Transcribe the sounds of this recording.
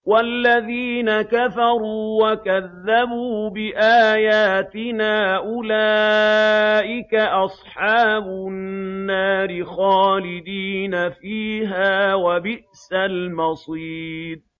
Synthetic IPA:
walːaðiːnakafɑɾˤuːwakaðːabuːbɪʔaːjaːt̪ɪnaːʔʊlaː | ʔɪkaʔɑsˤħɑːbʊnːaːɾɪxaːlɪd̪iːnafiːɦaːwabɪʔsalmɑsˤiːd̪̚

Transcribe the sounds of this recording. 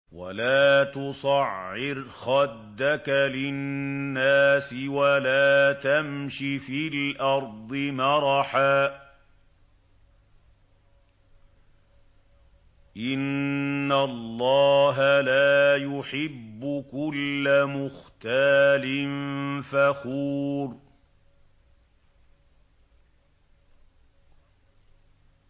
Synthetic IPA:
wa̰laːt̪ʊsˤɑʕːɪɾxɑd̪ːakalɪnnːaːsɪwalaːt̪amʃifilʔɑɾˤd̪ˤɨmɑɾˤɑħaː | ʔɪnːalˤːɑːɦalaːjʊħɪbːʊkʊlːamʊxt̪aːlɪnfaxuːɾ

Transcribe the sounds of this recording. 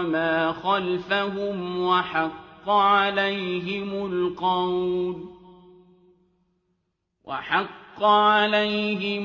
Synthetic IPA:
maːxalfaɦʊmwaħɑqːɑʕalajɦɪmʊlqɑwl | wʔa̰ħɑqːɑʕalajɦɪ

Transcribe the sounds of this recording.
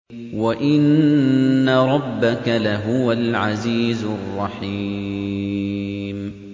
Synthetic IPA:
waʔɪnː | aɾˤɑbːakalaɦʊwalʕaziːzʊrˤːɑħi | m

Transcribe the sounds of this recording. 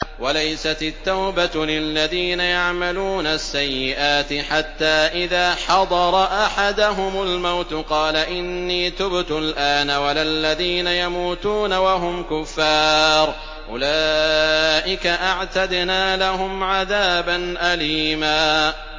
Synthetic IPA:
walajsat̪ɪt̪ːawbalɪlːaðiːnajaʕmaluːnasːajːɪʔaːt̪ɪħat̪ːaːʔɪðaːħɑd̪ˤɑɾˤɑʔaħad̪aɦʊmalmawt̪qɑːlaʔɪnːiːt̪ʊbt̪ʊlʔaːnawalalːaðiːnajamuːt̪uːnawaɦʊmkʊfːɑːɾ | ʔʊ̰laː | ʔɪkaʔaʕt̪ad̪naːlaɦʊmʕaðaːbanʔaliːmaː

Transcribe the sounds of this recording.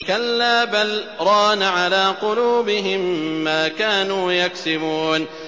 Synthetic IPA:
kalːaːbalɾˤɑːnaʕalaːqʊluːbɪɦɪmːaːkaːnuːjaksɪmuːn

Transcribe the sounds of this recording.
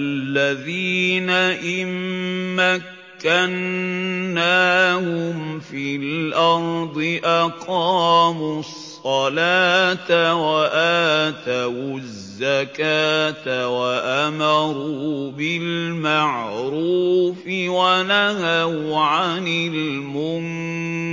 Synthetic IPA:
lːaðiːnaʔɪmːakːanː | aːhʊmfiːlʔɑɾˤd̪ˤɨʔɑqɑːmusˤːɑlaːt̪awaʔaːt̪aw | zːakaːt̪awaʔamɑɾuːbɪlmaʕɾuːfɪwanahaʕanɪl | mʊn

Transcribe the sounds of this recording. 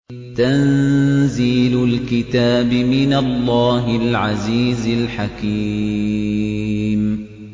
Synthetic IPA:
t̪anziːlʊlkɪt̪aːbɪmɪnalːaːɦɪlʕaziːzalħaki | m

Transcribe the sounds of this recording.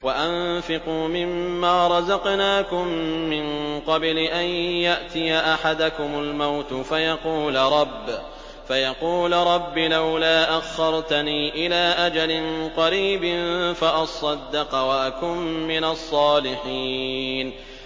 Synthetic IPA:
waʔanfɪquːmɪmːaːɾˤɑzɑqnaːkʊmːɪnqɑblɪʔanjaʔt̪ɪjaʔaħad̪akʊmʊlmawt̪ʊfajɑquːlɾˤɑbː | fajɑquːlɾˤɑbːɪlawlaːʔaxːɑɾˤt̪aniːʔɪlaːʔad͡ʒalɪnqɑɾiːbɪnfaʔɑsˤɑd̪ːɑqɑwaʔakʊmːɪnasˤːɑːlɪħiːn

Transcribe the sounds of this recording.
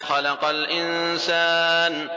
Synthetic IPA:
ħalɑqɑlʔɪnsaːn

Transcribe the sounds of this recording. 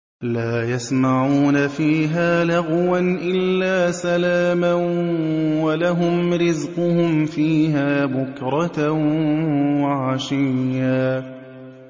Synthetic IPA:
laːjasmaʕuːnafiːɦaːlaɣwanʔɪlːaːsalaːma | walaɦʊmɾɪzqʊhʊmfiːɦaːbʊkɾˤɑt̪ | waʕaʃɪjːaː

